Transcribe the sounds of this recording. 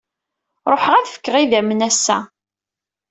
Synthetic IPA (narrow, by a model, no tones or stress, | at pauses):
ɾˤoħʁæθfə̥kːəʁiðæmnæsːæ̰